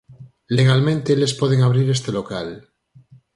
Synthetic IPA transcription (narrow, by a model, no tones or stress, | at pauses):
leɣ̞almẽnt̪elespoð̞eŋaβ̞ɾiɾest̪elokal